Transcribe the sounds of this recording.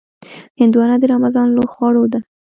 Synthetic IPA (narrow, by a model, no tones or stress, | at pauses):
hɪnd̪wɑnad̪əɾamazɑnloxwɑɽod̪a